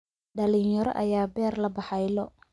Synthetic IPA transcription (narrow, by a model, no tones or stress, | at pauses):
ɖɐlɪŋjɐɾɔ̰ʔɐjaːbɛːrlɐbɑħɑjlɔ